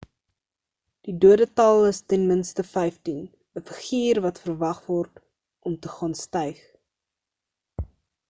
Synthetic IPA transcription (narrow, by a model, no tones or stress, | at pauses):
d̥iduədətɐlˠəstɛnmənstəfɛjftin | əfəχiːrvɐtfərvɐχvɔrt | ʔɔmtəχɑːnstəjχ